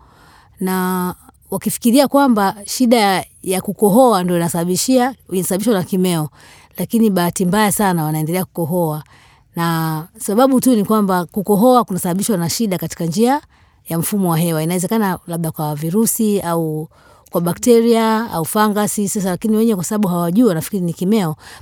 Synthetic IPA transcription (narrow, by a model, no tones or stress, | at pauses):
na | wakifi̥kiɾiakwambaʃiɗa | jakukɔɦɔandiɔinasaaɓiʃiainasaɓaɓiʃwanakimɛɔ | lakiniɓaatimbajasanawanaɛndɛlɛaku̥kɔɦɔa | nasaɓaɓutunikwambakukɔɦɔakunasaɓaɓiʃwanaʃiɗakati̥kand͡ʒia | jam̩fumɔwaɦɛwainawɛzɛkanalaɓɗakwaviɾusiau | kwaɓaktɛɾiaa̰ufaŋɡasisas̬alakiniwɛɲɛkwasaɓaɓuɦawaʄuːwanafi̥kiɾinikimɛɔ